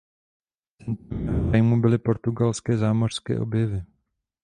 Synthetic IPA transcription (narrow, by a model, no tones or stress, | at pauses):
t͡sɛnt̪omɛɦajmubɪlɪpo̞ɾt̪uɡalskɛːzaːmor̥skɛ̰ːʔo̞̰bjɛvɪ